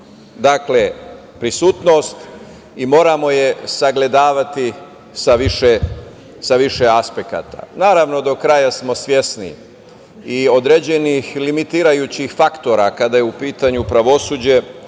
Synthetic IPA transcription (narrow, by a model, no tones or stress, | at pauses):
d̪akle | pɾisuːt̪no̞ːst̪ | imo̞ːɾamo̞je̞saɡle̞d̪aːʋat̪i | saʋiʃe | saʋiʃeaspeka̰t̪a̰naːɾaʋno̞d̪o̞kɾajasmo̞sʋje̞snḭ | io̞d̪ɾed͡ʑe̞nixlimit̪iːɾajuːt͡ɕixfakt̪o̞ɾakad̪ajeupiːt̪aɲupɾaʋo̞suːd͡ʑe̞